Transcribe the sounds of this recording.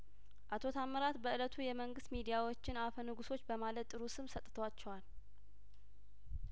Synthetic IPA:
ʔat̪ʰo̞t̪ʰamːəɾat̪bəɨlət̪ʰujɛməŋɡɨst̪mid̪ijawo̞t͡ʃːɪnafənɨɡuso̞t͡ʃːbəmalət̪ʼːɨɾusɨmsət̪ʼt̪ʰəwat͡ʃːɛwal

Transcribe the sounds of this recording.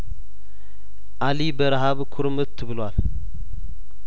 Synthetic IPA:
ʔalibəɾaɦaβkʰʊɾmɨt̪ʰːɨβɨlwal

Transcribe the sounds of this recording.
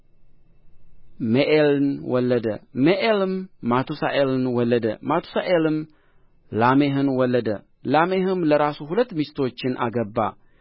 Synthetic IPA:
meʔelɨnwɔlːəd̪əmeʔelɨmːat̪ʰusaʔelɨnwɔlːəd̪ə̰mat̪ʰu̥saʔelɨm | lameɦɨnwɔlːəd̪ə̰ | lameɦɨmləɾasuhulət̪ːmist̪o̞t͡ʃːɪnʔa̰ɡəbːa̰

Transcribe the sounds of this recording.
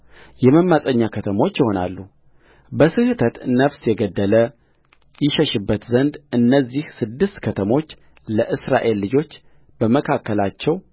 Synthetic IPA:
jɛməmːasʼəɲːakʰət̪ʰəmo̞t͡ʃːjɪho̞na̰lːu | bəsɨhɨt̪ʰət̪nəfsjɛɡəd̪ːələ | jɪʃɛʃɨbːət̪zənd̪ɨnːəzːihsɨd̪ːɨst̪kʰət̪ʰəmo̞t͡ʃː | ləʔɨsɾa̰ʔe̞lːɨd͡ʒo̞t͡ʃː | b̥əməkʰakːəlat͡ʃːɛw

